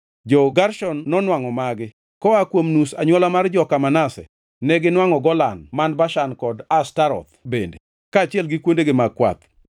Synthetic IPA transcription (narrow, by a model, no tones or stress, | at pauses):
d͡ʒɔɡarʃɔnːɔnwaŋɔmaɡɪ | kɔakwomnusaɲwɔlamard͡ʒɔkamanasɛ̰ | nɛɡɪnwaŋɔɡɔlanmanbaʃankɔdastaɾɔ̰t̪bende | kaːt͡ʃɪɛlɡɪkwondeɡɪmakwa̰t̪